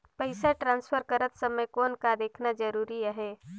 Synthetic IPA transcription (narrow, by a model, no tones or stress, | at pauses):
pəɪsaʈɾãːnspʰəɾkəɾət̪səməkoːnkad̪eːkʰnad͡ʒəɾuːɾiaɦɛ